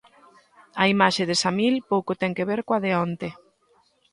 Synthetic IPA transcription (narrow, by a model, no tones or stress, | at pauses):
aimaʃeðɪsamilpowkot̪ɛŋkeβeɾkoaðeɔnt̪e